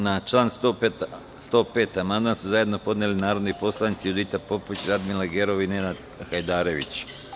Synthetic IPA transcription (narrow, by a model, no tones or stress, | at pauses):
nat͡ʃlˠaːnso | st̪o̞ːpeːt̪amand̪mansuzajed̪no̞po̞d̪nelinaːɾo̞d̪nipo̞slˠanit̪siud̪it̪apo̞poit͡ɕɾad̪milaɡeɾo̞ʋinenad̪ | xajd̪aːɾe̞ʋḭt͡ɕ